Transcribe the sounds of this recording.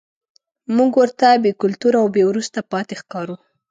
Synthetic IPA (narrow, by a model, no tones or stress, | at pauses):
muɡwəɾt̪abekʊlt̪uɾawbewɾust̪apɑt̪exkɑɾu